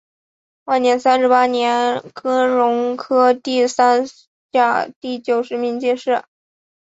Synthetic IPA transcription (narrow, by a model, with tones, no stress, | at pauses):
wa˥˩ɪnjɛ˧˥nsa˥nʂɻ̩˧˥pa˥njɛ˧˥nkʰɤ˥ɻʊ˧˥ŋkʰɤ˥t̪i˥˩sa˥n | t͡ɕja˥˩t̪i˥˩t͡ɕjo˨˩ʊʂɻ̩˧˥mi˧˥ŋt͡ɕɛ˥˧ʂɻ̩˥˩